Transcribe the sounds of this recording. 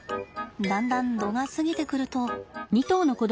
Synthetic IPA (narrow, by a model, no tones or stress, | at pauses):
d̪ãnd̪ãnd̪o̞ɡasɨɡʲit̪e̞kɯ̟ɾɯ̟t̪o̞ɲ̟ʲit̪o̞ːno̞ko̞d̪